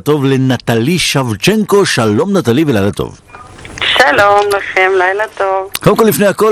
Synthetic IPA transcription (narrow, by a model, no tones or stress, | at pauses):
t̪o̞vlenat̪aliʃavt͡ʃeŋko̞ʃalo̞mnat̪alivelajlat̪o̰v | ʃalomlaχemlajlat̪ovkolemkolifnejako